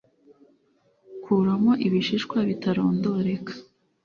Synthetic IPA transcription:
kʰuɾamo̞ʔiβiʃiʃkwaβitaɾo̞ːndo̞ɾe̞kḁ

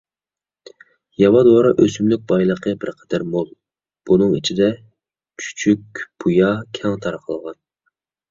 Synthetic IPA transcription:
jɑwɑd̪oɑɾɑʔøsymlyk̚ʲbɑjlˠəqʰəbɪɾqʰɛd̪̥æɾmolˠ | b̥unɨŋit͡ʃʰid̪ɛ | t͡ʃʰy̥t͡ʃʰyk̚ʲb̥ujɑkʲʰɛŋt̪ʰɑɾqʰəlˠəʁɑn

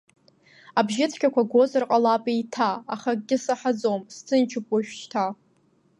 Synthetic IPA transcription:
abʒɪt͡sʰkʲʰʼakʷʰaɡʷozarqʼalapʼijtʰaːχaɡʲɪsaħad͡zomst͡sʰɨnt͡ʃʰɪpʼaʒᶣʃtʰa

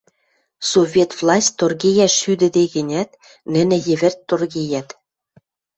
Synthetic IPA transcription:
sovʲet̪vlˠɑsʲtʲt̪ːorɣejæʃːyd̪ɘ̆d̪eɣɘ̆nʲæt̪̚ | nɘ̆nɘ̆jɘ̆βɘ̆rt̪ːorɣejæt̪

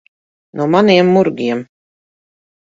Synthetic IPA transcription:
nuɔmaniɛmːuɾɡʲiɛm

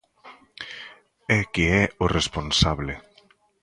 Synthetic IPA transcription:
ɛkeɛʊresponsaβle

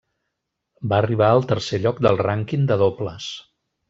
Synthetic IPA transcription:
baəriβ̞aəlˠt̪əɾseʎɔk̚d̪əlˠraŋkind̪əðopləs

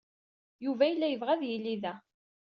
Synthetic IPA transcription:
juvæjəlːæjəvʁæðjilːiðæ

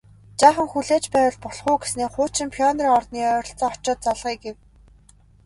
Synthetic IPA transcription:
t͡ɕaːχə̆ŋxuɮeːt͡ɕpæːwə̆ɮpɔɮχʊːɡesneːχʊːt͡ɕɪ̆mpʰiɔnriːŋɔrt̪niːœːɾʲɞ̆ɬt͡sɔːɔ̥t͡ɕɔːt̪̚t͡saɮʁiːɡew

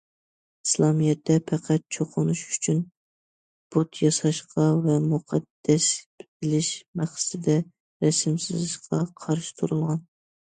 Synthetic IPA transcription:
i̥slˠɑmijɛt̪ʰːɛpʰæqʰæt̪̚t͡ʃʰoqʰʊnuʃyt͡ʃʰyn | b̥ut̪jɑsɑʃqʰɑvɛmuqʰɑd̪̥ːɛsbɪlɪʃmæχsɨ̥t̪ɪd̪ɛ | ɾɛsɪmsɪzɪʃqʰɑqʰɑɾʃi̥t̪ʰuɾulˠʁɑn

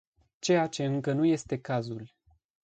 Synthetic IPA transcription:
t͡ʃe̞jat͡ʃe̞ɨŋkənuje̞st̪e̞kazul

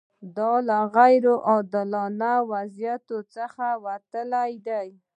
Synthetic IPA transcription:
d̪ɑlaɣajɾoʔɑd̪ɪlɑnawazjat̪ot͡səxawat̪əlajd̪aj

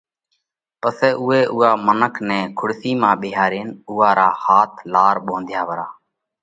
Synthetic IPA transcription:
pəsɛːʔʊɦeːʔʊːaːmənəkʰnɛ̃ːkʰʊɽsiːmãːɓɪːɦaːɾiːnuːɦaːɾaːhaːt̪ʰlaːɾɓõːnd̪ʱjaːʋəɾaː

